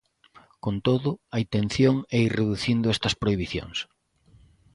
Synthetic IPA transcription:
kont̪oðʊɐint̪en̟θjoŋɛireðuθind̪ʊɛst̪ɐspɾoiβiθjo̰ŋs

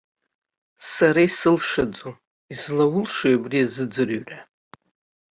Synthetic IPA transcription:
saɾaisɨlʂad͡zo | izlawʊlʂajabriazɨd͡zɨrɥra

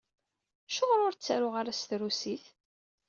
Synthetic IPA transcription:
ʃʊʁɾʊɾt͡sːaɾʊʁaɾæsθɾusiθ

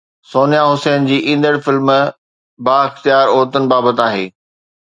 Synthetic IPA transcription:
soːnjaɦʊsɛːnd͡ʑiːʔĩːn̆d̪əɽfɪlm | baːɪxt̪ijaːɾoːɾt̪ənɪ̆baːbət̪aːɦḛː

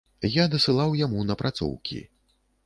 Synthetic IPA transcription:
jad̪ɐsɨlˠawjamunɐpɾʔat̪sɔ̰wkʲḭ

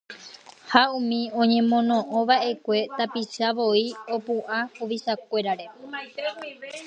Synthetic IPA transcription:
haũmĩõ̞ɲẽ̞mõ̞nõ̞ʔõʋaʔe̞kʷe̞t̪apiʃaʋo̞io̞puʔahuʋiʃak̚ʷe̞ɾaɾe̞

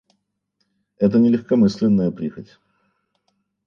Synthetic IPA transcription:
ɛt̪̬ənʲɪlʲɪxkɐmɨsʲlʲɪnːəjəpɾʲixətʲ

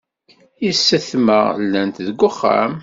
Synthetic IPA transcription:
isːəθməʁlːænt̪ðəɡʷːʊχːa̰m

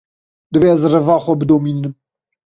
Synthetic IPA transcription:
d̪ɨveɛzrɨvɑːxʷɔbɨd̪oːmiːnɨm

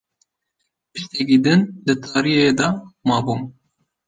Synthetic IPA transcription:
pɨʃt̪ɛk̬id̪ɪnd̪ɨt̪ʰɑːɾijed̪ɑmɑːbuːm

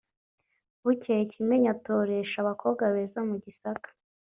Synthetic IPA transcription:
βucecimeɲatoɾe̞ʃaβakʰoβɡaβe̞ːzamuɟisakḁ

